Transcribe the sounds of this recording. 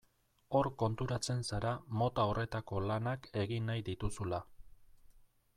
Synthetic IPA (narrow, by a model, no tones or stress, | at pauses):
o̞ɾko̞nt̪uɾat͡se̞nsaɾamo̞t̪ao̞re̞t̪ako̞lanake̞ɣinːajd̪it̪usula